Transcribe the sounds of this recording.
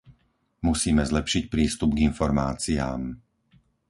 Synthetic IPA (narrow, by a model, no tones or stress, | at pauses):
musiːmɛzlɛpʃicpɾiːst̪ub̚ɡinfɔɾmaːt͡sia̰ːm